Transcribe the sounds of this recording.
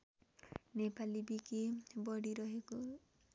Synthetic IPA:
nepalibikebɔɽiɾɔɦeku

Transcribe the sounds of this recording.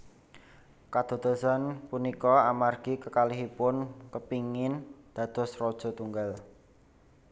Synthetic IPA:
kad̪̥o̤d̪̥o̤sanpunikɔamarɡ̥ikəkaliɦipʊnkəpiŋɪnd̪̥ä̤d̪̥ɔ̤srɔd̥ʒ̥ɔ̤t̪uŋɡal

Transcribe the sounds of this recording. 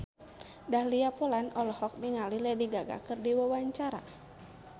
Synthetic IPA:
dahliapolanɔlɔhɔk̚niŋalilɛdiɡaɡa̰kɨrdiwawaɲt͡ʃaɾa̰

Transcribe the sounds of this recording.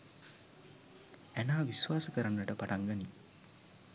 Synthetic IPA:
ænaːʋisʋaːsəkəɾanːəʈəpaʈaŋɡəni

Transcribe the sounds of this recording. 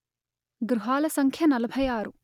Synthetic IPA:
ɡɾuɦaːlɐsɐŋkʰjɐnɐlɐbʱɐjaːɾu

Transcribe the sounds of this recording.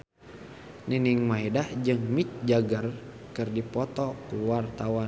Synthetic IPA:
niniŋmaidahd͡ʒɨŋmit͡ʃ̚d͡ʒaɡər | kɨrdipɔt̪ɔkuwart̪awan

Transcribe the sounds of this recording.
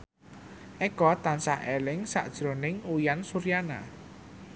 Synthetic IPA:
ʔɛkɔt̪ansahɛlɪŋsa̰ʔd̥ʒ̥ɾo̤nɪŋujansuɾijana̰

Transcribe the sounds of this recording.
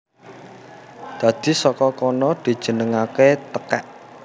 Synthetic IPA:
d̪̥a̤d̪̥i̤sɔkɔkɔnɔd̪̥i̤d̥ʒ̥ə̤nəŋaket̪əkɛ̰ʔ

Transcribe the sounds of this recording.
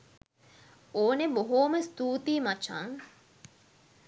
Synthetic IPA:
oːneboɦoːməst̪uːt̪iːmat͡ʃa̰ŋ

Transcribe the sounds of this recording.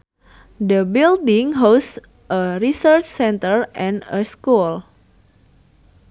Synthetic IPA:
dəbildiŋɦos | ʔəɾisərt͡ʃsɛnt̪ərʔɛ̃nəskul

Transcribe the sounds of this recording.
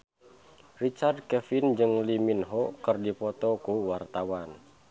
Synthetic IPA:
rit͡ʃard̚kɛfind͡ʒɨŋliminɦɔkɨrdipɔt̪ɔkuwart̪awan

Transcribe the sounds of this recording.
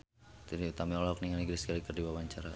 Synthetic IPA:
t̪iɾiut̪amiɔlɔk̚niŋaniɡɾiskalikərdibawaɲt͡ʃaɾa

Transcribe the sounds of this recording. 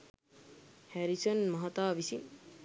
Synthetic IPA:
hæɾisonmɐɦat̪aːʋisin

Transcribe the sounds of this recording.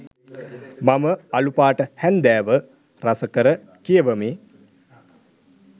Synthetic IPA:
maməalupaːʈəhɛnd̪æːʋə | ɾasəkəɾə | kijəʋəmeː

